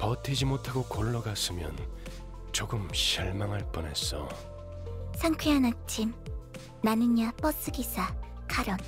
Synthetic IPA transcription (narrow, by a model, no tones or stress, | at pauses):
pʌtʰed͡ʑimotʰaɡokoɭːʌɡas͈ɯmjʌ̰n | t͡ɕoɡɯmɕʰiɭmaŋɦaɭp͈ʌne̞s͈ʌ̰ | sʰaŋkʰeanat͡ɕʰim | nanɯɲap͈ʌs͈ɯɡisʰakaɾʌn